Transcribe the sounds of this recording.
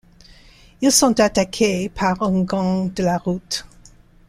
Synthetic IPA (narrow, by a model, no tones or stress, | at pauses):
ilsɔ̃t̪atakʰepʰaʁə̃ŋɡɑ̃d̪əlaʁut